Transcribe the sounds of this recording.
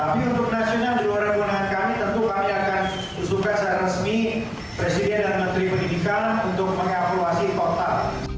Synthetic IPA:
t̪apiunt̪ʊk̚nasionald͡ʒəluaɾabunaŋankanit̪ənt̪ukamiakan | usukansaɾarəsmi | pɾesidɛndanmənt̪ɾipənidikanunt̪ʊk̚məŋakuasit̪ot̪al

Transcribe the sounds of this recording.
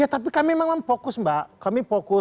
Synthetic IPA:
jat̪ap̬ikamiemaŋmampokʊsmbaʔkamipokʊ

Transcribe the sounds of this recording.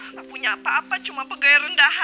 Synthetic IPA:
ŋapuɲapaapat͡ʃumapəɡajɾəndaha

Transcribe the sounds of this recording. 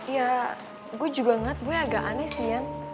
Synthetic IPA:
ja | ɡuad͡ʒuɡaŋat̪̚buɛaɡaʔanɛsijan

